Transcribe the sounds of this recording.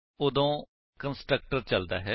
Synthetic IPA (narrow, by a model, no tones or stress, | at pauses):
oːd̪õː | kənsʈɾək̚ʈəɾt͡ʃəld̪a̰ːɦɛː